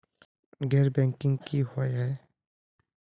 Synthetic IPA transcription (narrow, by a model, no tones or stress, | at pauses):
ɡʱɛːɾbɛ̃ːŋkɪ̃ŋɡkihoɦɛ̃ː